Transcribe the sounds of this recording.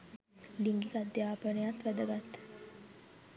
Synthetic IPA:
liŋɡikad̪jaːpənəjat̪ʋæd̪əɡat̪ː

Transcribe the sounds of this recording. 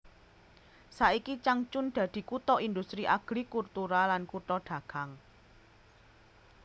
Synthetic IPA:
saikit͡ʃaŋt͡ʃʊnɖ̪̥ä̤d̪̥i̤kut̪ɔʔind̪ust̪ɾiʔaɡ̥ɾikurt̪uɾalankut̪ɔɖ̪̥ä̤ɡ̥a̤ŋ

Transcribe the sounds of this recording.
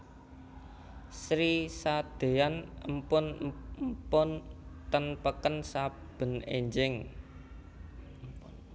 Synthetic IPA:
sɾisad̪̥e̤anəmpʊnmpʊnt̪ənpəkənsa | b̥ə̤nḛɲd͡ʒɪŋ

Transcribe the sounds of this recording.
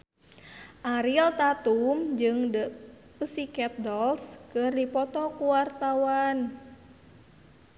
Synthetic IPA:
ʔaɾilt̪at̪umd͡ʒɨŋdə | pəsikɛp̚dɔlskɨrdipɔt̪ɔkuwart̪awan

